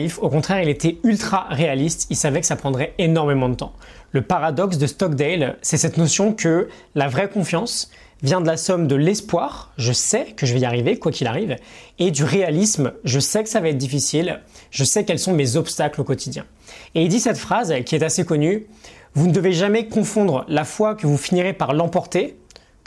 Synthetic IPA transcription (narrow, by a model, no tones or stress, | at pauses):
ifokɔ̃t̪χɛʁilet̪ɛylt̪χaʁealist̪ilsavɛkə̥sapχɑ̃d̪ʁɛenɔʁmemɑ̃d̪ət̪ɑ̃ləpaʁad̪ɔksd̪əst̪ɔkd̪ɛlsɛsɛt̪nɔsjɔ̃kə | lavʁɛkɔ̃fjɑ̃s | vjɛ̃d̪əlasɔmd̪əlɛspwaʁʒəsɛkəʒəvɛjaʁivekwakʲila̰ʁived̪yʁealismʒəsɛkə̥savaɛt̪χd̪ifisilʒəsɛkɛlsɔ̃mezɔpst̪aklokɔt̪ʰid̪jɛ̰̃ | eild̪isɛt̪fχazkʲiɛt̪asekɔny | vunəd̪əveʒamɛkɔ̃fɔ̃d̪ʁəlafwakəvufiniʁepaʁlɑ̃pɔʁt̪e